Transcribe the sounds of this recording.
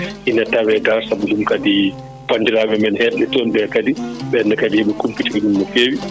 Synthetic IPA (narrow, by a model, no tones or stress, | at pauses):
ʔinːatawɛtasabuɗumkadi | pandiɾaːɓɛmɛnhɛɗːɛtɔnɓɛkadiɓɛnːakadiɛɓɛkumpitimɛɗumːɔfeːwi